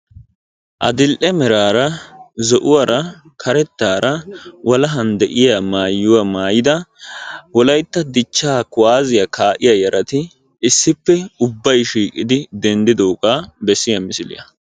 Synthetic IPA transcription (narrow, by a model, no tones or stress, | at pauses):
ʔɐ̰d̪ɪlʔɛmɛɾaːɾɐzɔʔʊwɐɾɐ | kʰɐɾɛt̪ːaːɾɐwɐlɐɦɐnd̪ɛʔɪjamaːjːʊwamaːjɪd̪ɐ | wɔlɐjt̪ːɐd̪ɪt͡ʃːaːkʊwaːzɪjakʰaːʔɪjajɐɾʔɐt̪ɪː | sːɪpːɛʊbːɐjʃiːkʼɪd̪ɪd̪ɛnd̪ɪd̪o̞ːɡabɛsːɪjɐmɪsɪlɪ̰jɐ̰